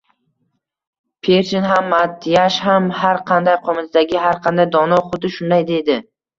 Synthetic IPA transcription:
pʰeɾt͡ʃɪnɦamːat̪ʰːɪjaʃhamhaɾqʰɑnd̪ajqʰɒmɪzd̪aɡʲɪhaɾqʰɑnd̪ajd̪ɒnɒχʊt̪ɪʃʊnd̪ajd̪e̞d̪ɪ

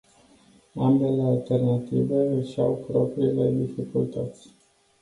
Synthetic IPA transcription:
ambe̞le̞alt̪e̞rnat̪ive̞əʃawpɾo̞pɾiːle̞d̪ifikult̪ət̪sʲ

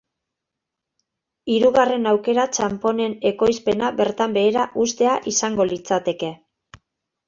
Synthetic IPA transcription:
iɾuɣare̞nawke̞ɾat͡ʃampo̞ne̞ne̞ko̞jspe̞naβe̞ɾt̪ambe̞ːɾaʔust̪e̞aʔisaŋɡo̞lit͡sat̪e̞ke̞

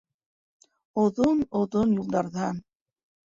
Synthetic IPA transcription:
ŏðonŏðonjulˠd̪ɑɾðɑ

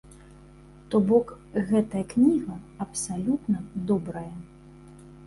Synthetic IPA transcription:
t̪ɔbɔk | ɣɛt̪ɐjɐknʲiɣɐɐpsalʲut̪nɐd̪ɔbɾɐjɐ

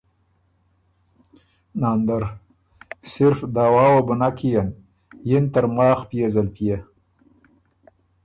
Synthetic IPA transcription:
nɑːnd̪aɾ | sɪɾfd̪awɑːwabʊnakijan | jɪnt̪əɾmɑːxpijezalpija

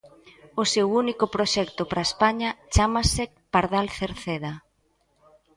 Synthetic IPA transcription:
osewunikʊpɾoʃɛkt̪opɾaespaɲɐt͡ʃamase | paɾðalθeɾθeða

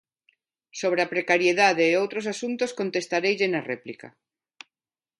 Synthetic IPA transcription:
soβ̞ɾeapɾekaɾjeðaðeːowt̪ɾos̬asunt̪osko̞nt̪e̞st̪aɾejʎenarḛplika̰

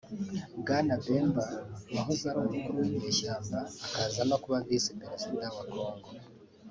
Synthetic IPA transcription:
ɡanabeːmbawaɦuzaɾomukuɾuwiɲeːʃaːmbaːkazamakuβanzisipeɾezodaβako̞ːŋɡo

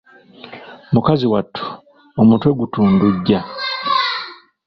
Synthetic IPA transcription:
mukaziwatʰːu̥ | omutwe̞ɡutuːnduɟːa

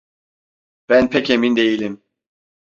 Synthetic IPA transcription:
b̥ænpʰecʰemind̪e̞jilʲim

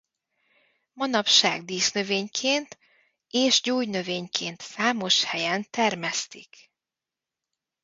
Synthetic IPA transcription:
mɒnɒpʃa̰ːɡd̪iːʃnøveːɲkʰeːnt̪ | eːʃɟoːjnø̞veːɲkʰeːnt̪saːmo̞ʃhɛjɛnt̪ɛrmɛst̪ik

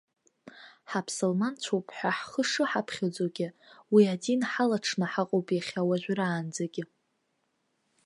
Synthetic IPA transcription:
ħapʰsolmant͡ɕʷʰopʰʼħʷaħχəʂɨħapʰχʲad͡zoɡʲɪwiadinħalaʈ͡ʂʰnɨħaqʼowpʼjaχʲawaʒᶣʷɾaːnd͡zaɡʲɪ

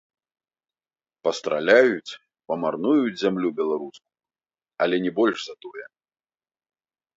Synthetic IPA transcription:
pɐst̪ɾalʲajut͡sʲ | pɐmarnujud͡zʲzʲamlʲubʲɛlˠaɾusku | ɐlʲɛnʲɛbɔlʲʐzat̪ɔjɛ

